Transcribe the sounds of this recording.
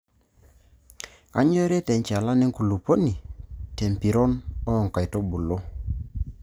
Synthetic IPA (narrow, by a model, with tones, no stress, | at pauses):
a̰˦ɲo˦ɾe˦te˨ɲt͡ʃa˨la˦ne˦ŋku˨lu˨po˦ni˨te˨mpi˨ɾɔ˦nɔ˦ɔ˨ŋ˨ka˨jto˦bu˨lo˦